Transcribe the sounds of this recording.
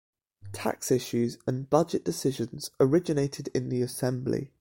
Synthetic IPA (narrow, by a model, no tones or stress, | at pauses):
tʰa̰ksɪʃʉzə̃nb̥ʌd͡ʒɪʔd̥ɪsɪʒə̃nz̥əɹɪd͡ʒɪneɪtʰɪdɪ̃nðiəsɛ̃mblḭ